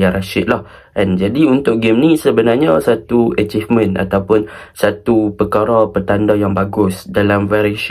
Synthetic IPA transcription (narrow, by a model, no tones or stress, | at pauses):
aɾaʃɪt̪̚lahʔɛnd͡ʒadiunt̪ʊk̚ɡɪmnĩsəbənarɲasat̪uət͡ʃifmə̃na̰t̪awpʊnsat̪upəkaɾapərt̪andajaŋbaɡʊsdalamvaɾiʃ